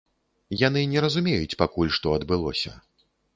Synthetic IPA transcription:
jan̪ɨnʲɛɾɐzumʲejut͡sʲpakulʲʂt̪ɔɐd̪bɨlˠɔ̰sʲɐ̰

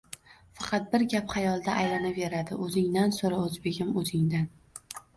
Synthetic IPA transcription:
fɑqʰɑt̪̚bɪɾɡʲapχɑjɒlˠd̪aʔajlanave̞ɾad̪ɪʔɵzɪŋd̪ansoɾaɵzbe̞ɡʲɪmɵzɪŋd̪an

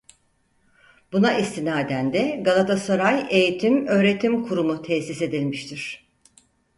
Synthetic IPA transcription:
bunaʔist̪inaːed̪ænd̪ɛɡalˠat̪ʰasaɾaje̞jit̪ʰimø̞ːɾe̞t̪ʰimkʰuɾumut̪ʰɛsise̞d̪ilʲmiʃt̪ʰiɾ̥

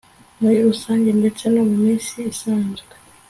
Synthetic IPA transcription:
mujiusaːɲɟende̞t͡seno̞mumiːnsiːsaːnzɡe

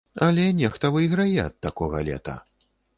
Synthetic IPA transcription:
ɐlʲɛnʲɛxt̪ɐvɨiɣɾajɛɐt̪ːakɔɣɐ̰lʲɛ̰t̪ɐ̰

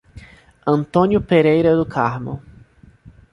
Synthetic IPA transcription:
ɐ̃nt̪õnjʊpeɾejɾɐd̪ʊkʰaɾmʊ̰

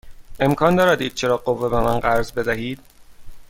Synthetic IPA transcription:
e̞mkʰɒːnd̪ɒːɾæd̪iːd̪̚t͡ʃʰe̞ɾɒːɢovːebe̞mænɢæɾzbe̞d̪æɦiːd̪̥̚

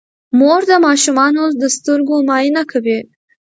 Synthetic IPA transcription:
moɾd̪əmɑʃumɑnold̪əst̪əɾɡomɑinakʰawi

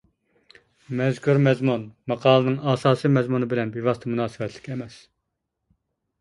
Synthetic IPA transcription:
mɛzkʰuɾmɛzmunmɑqʰɑːlˠɨnɨŋɑːsɑːsɨmɛzmunɨbɪlɛnbivɑst̪ʰɛmunɑːsɨvɛt̪ʰlɪ̥kʲʰɛmɛs

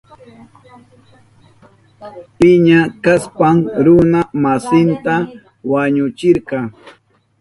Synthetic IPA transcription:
pɪɲakaspamɾʊnamasɪnt̪a | waɲʊt͡ʃɪɾɢɑ

